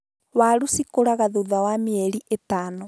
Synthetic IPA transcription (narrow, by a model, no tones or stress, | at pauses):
waɾusikoɾaɣaðoðawameɛɾiʔetaːnɔ